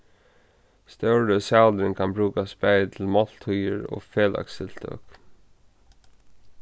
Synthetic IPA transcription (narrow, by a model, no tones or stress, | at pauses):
st̪œwɹəsaʊd̪ɾɪŋkʰanbɹuːkaspɛɪt̪ʰɪlmɔl̥t̪ʰhujəɹɔ̰ːfeːla̰ksɪl̥t̪ʰœ̰ːk